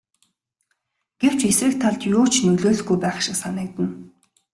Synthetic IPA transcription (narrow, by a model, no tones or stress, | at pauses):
ɡ̥ew̥t͡ɕesrɘ̆kt̪ʰːaɮt̪jʊːt͡ɕʰnɵɮoːɮɡujpæːχʃɪ̆ksanɪ̆k̚t̪ə̆n